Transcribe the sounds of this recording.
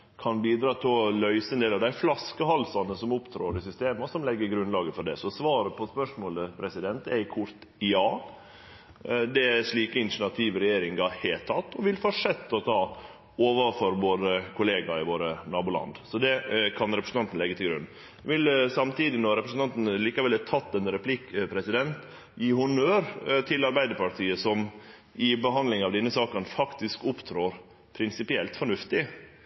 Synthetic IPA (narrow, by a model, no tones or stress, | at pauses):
kʰɑnbiːd̪ɾɑːt̪ʰɪlɔlœʏsəɛnd̪eːlɑʋd̪æɪflɑskəhɑlsɑnəsɔmʊpt̪ʰɾoːɾɪsʏst̪eːmɑsɔmlɛɡːəɾɡɾʉnlɑːɡəfɔɖɛ̰sɔsʋɑːɾəpʰɔspœʂmoːləpʰɾɛsɪd̪ɛnt̪æ̰ɪkʰʊɾt̪ | jɑː | d̪ɛæʂɭiːkəɪnʂɳɑt̪ʰiːʋɾɛjeːɾɪŋɡɑheːlt̪ʰɑt̪ːɔʋɪlfɔʂɛt̪ːɔt̪ʰɑː | oːʋɑfɔɾʋoːɾəkʰʊleːɡɑɪʋoːɾənɑːbʊlɑ̰nd̪sɔd̪ɛkʰɑnɾɛpɾəsn̩t̪ɑnt̪n̩lɛɡːət̪ʰɪlɡɾʉ̰n | ʋɪlsɑmt̪iːd̪ɪnɔɾɛpɾəsn̩ɑnt̪n̩liːkɑʋɛlːɛt̪ʰɑt̪ːɛnɾɛpʰlɪkpʰɾɛsɪd̪ɛnt̪ | jiːhʊnøːɾt̪ʰɪlɑɾbæɪd̪əɾpɑʈʰiːəsɔm | ɪbəɦɑnd̪lɪŋɑʋd̪ɛnːəsɑːkənfɑkt̪ɪskʊpt̪ʰɾoːɾ | pʰɾɪnsɪpɪɛlt̪fɔɳʉft̪ɪ